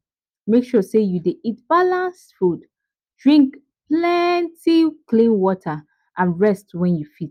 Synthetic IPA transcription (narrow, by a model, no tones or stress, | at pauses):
mekʃɔsejudeʔitbalãnsfud | dɹĩŋk | plɛntiklĩnwɔtʰə | ʔãnɹɛstwɛ̃njufit